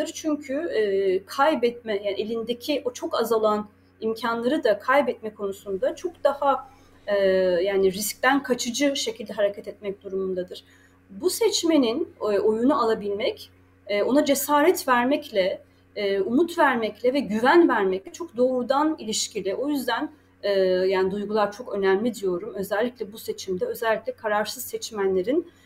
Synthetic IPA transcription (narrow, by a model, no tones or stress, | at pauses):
ɯɾt͡ʃʰyɲcʰykʰajbɛt̪̚mɛjaːnʔelʲind̪e̞cʰiʔo̞t͡ʃʰo̞kazalˠan | imcʰanlˠaɾɯd̪akʰajbɛt̪mɛkʰo̞nusund̪at͡ʃʰo̞kd̪̥aha | jaːniɾisc̚t̪ænkʰat͡ʃʰɯd͡ʒɯʃe̞cʰilʲd̪ɛɦaɾecʰɛt̪ɛt̪mɛc̚d̪uɾumund̪ad̪ɯɾ̥ | busɛt͡ʃme̞ninʔo̞junualˠabilʲmɛcː | o̞nad͡ʒe̞saːɾɛt̪væɾmɛclʲɛ | umut̪væɾmɛclʲɛvɛɟyvænvæɾmɛclʲɛt͡ʃʰo̞kd̪o̞ːɾud̪anilʲiʃcʰilʲɛʔo̞jyzd̪ænː | jaːnid̪ujɡulˠaɾt͡ʃʰo̞kø̞næmlʲid̪ijo̞ɾumø̞zɛlʲːiclʲɛbuse̞t͡ʃʰimd̪ɛø̞zɛlʲːiclʲɛkʰaɾaɾsɯzsɛt͡ʃmænlʲe̞ɾin